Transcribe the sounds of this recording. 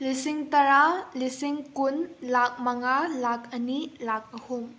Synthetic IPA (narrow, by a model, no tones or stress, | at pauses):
lisiŋtɐɾalisiŋkunlak̚mɐŋalakʰɐnilak̚ɐhuŋ